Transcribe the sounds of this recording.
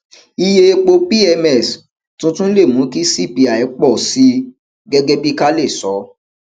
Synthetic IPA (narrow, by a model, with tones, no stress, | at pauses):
i˧je˧e˧k͡po˧pi˦ɛ˧mɛ˦˨s | tũ˦tũ˦le˦˨mũ˨˦ki˦si˦˨pi˧a˨ɛ˨˦k͡pɔ˦˨si˨˦ | ɡɛ˦ɡɛ˦bi˦ka˦le˦˨sɔ˨˦